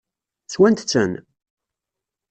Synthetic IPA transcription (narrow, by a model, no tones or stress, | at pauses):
t͡sːwænt̪t͡sːən